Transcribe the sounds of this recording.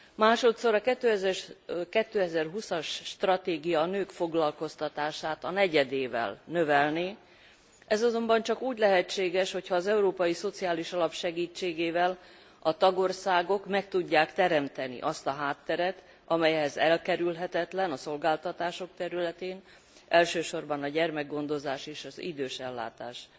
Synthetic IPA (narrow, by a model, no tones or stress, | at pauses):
maːʃo̞t̪so̞ɾɒkɛt̪ːøːɛzɛrkɛt̪ːøːɛzɛrɦusɒʃːt̪rɒt̪eːɡijɒnøːkfo̞ɡlɒlko̞st̪ɒt̪aːʃaːt̪ɒnɛɟɛd̪eːvɛ̰lnøvɛlneː | ʔɛzɒzo̞mbɒnt͡ʃɒkuːɟlɛɦɛt͡ʃːeːɡɛʃho̞cʰhɒːzɛuɾoːpɒjiso̞t̪sijaːliʃɒlɒpʃɛɡiːt͡ʃːeːɡeːvɛl | ɒt̪ɒɡo̞rsaːɡo̞kmɛk̚t̪uɟːaːkt̪ɛɾɛmt̪ɛnḭʔɒst̪ɒɦaːt̪ːɛɾɛt̪ | ɒmɛjɛɦɛzɛlkɛɾylɦɛt̪ɛt̪lɛnɒso̞lɡaːlt̪ɒt̪aːʃo̞kt̪ɛɾylɛt̪eːn | ɛlʃøːʃo̞rbɒnɒɟɛrmɛɡɡo̞nd̪o̞zaːʃeːʃɒzḭd̪øːʃɛlːa̰ːt̪a̰ːʃ